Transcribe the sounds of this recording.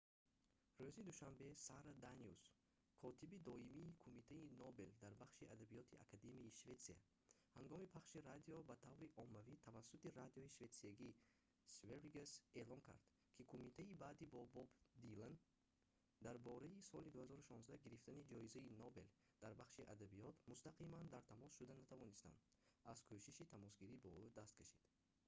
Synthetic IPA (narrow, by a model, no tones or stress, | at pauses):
røzid̪uʃambe̞saɾad̪anius | kʰɔt̪ʰibid̪ɔimiːkʰumit̪ʰainɔbe̞ld̪aɾbaχʃiʔad̪abijɔt̪ʰia̰kʰad̪e̞miːʃve̞t̪sia̰ | haŋɡɔmipʰaχʃiɾad̪iɔbat̪ʰavɾiʔɔmːavit̪ʰavasːut̪iɾad̪iɔiʃve̞t̪siaɡi | sveɾiɡese̞lɔŋkʰa̰ɾd̪̥ | kʰikʰumit̪ʰaibaːd̪ibɔbɔbd̪ilan | d̪aɾbɔɾaisɔlid̪uhazɔɾuʃɔnzd̪aɡiɾift̪anid͡ʒɔizainobe̞̰l | d̪̥aɾbaχʃiʔad̪abiɔt̪must̪aqʰimand̪aɾt̪ʰamɔsʃud̪anat̪ʰavɔnist̪a̰nd̪azkʰoʃiʃit̪ʰamɔsɡiɾibɔud̪ast̪kʰaʃid̪̥